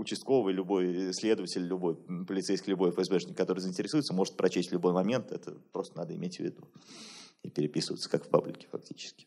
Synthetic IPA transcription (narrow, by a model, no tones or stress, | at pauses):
ʊt͡ɕɪst̪ko̞vɨjlʲʊbo̞jslʲe̞d̪əvətʲɪlʲlʲʊbo̞jpəlʲɪt̪sejskilʲʊbo̞jfəɛzbɛʂnʲɪkːɐt̪o̞ɾɨzɨɪnʲtʲɪɾʲɪsujɪt̪səmo̞ʐɨt̪̚pɾɐt͡ɕesʲtʲlʲʊbo̞jmɐmʲe̞nt̪ɛt̪ə̰pɾo̞st̪ənad̪əɪ̰mʲetʲvʲɪ̰d̪u | ɪpʲɪɾʲɪpʲisəvəɪt̪sə̥kakfpa̰blʲɪ̰kʲɪ̥fɐ̰k̚tʲi̥t͡ɕɪ̥skʲɪ̥